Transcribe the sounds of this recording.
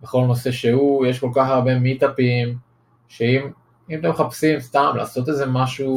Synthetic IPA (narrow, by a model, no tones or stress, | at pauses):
beχo̞lno̞se̞ʃehuje̞ʃko̞lkaχaʁbe̞mit̪apim | ʃeim | imt̪emχapsimst̪amla̰ːso̞t̪e̞ze̞maʃu